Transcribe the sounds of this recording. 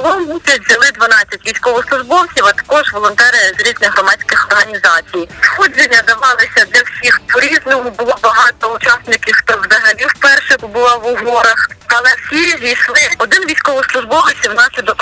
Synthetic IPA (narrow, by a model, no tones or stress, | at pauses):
ɔlˠɔmusʲɐtʲzʲɐlˠɪd̪ʋɐnɑt͡sʲːɐtʲʋʲijsʲkɔʋɪslˠʊʒbɔwt͡sʲiwɐt̪ɐ̥kɔʒʋɔlˠɔnt̪ɛɾʲɪjzɾʲiznɪɦrɔmɑt͡sʲkɪxɔrɦɐnʲizɑt͡sʲijsxɔd͡ʒenʲːɐd̪ɐʋɑlˠɪsʲɐd̪lʲɐwsʲixpɔɾʲiznɔɦʊbʊlˠɔbɐɦɑt̪ɔʊt͡ʃɑsnɪkʲɪʃt̪ɔwzɐɦɐlʲiwpɛrʃɛɔbʊlˠaʋʊɦɔɾɐxɐlˠɛwsʲizʲijslˠɪɔd̪ɪnʋʲijsʲkɔʋɪslˠʊʒbɔʋɪt͡sʲiwnɑsʲlʲid̪ɔk